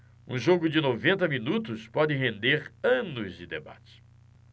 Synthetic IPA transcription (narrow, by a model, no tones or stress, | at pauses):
ṵ̃ʒoɡʊd͡ʒɪnovẽnt̪ɐminut̪ʊspɔd͡ʒɪɦẽnd̪eɾɐ̃nʊzd͡ʒɪd̪ḛba̰t͡ʃɪ̥